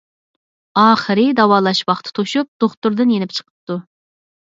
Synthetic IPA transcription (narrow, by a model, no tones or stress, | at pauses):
ɑːχəɾɨd̪ɑwɑːlˠɑʃwɑχt̪ʰɨ̥t̪ʰoʃup̚d̪̥oχt̪uɾd̪ɨnjenɪpʲt͡ʃʰə̥qʰə̥p̚t̪ːu